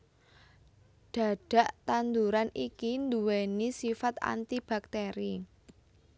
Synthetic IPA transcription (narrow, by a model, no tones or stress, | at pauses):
ɖ̪̥ä̤ɖ̥ä̤ʔt̪and̪uɾanikind̪uwenisifat̪a̰nt̪ib̥a̤k̚t̪eɾi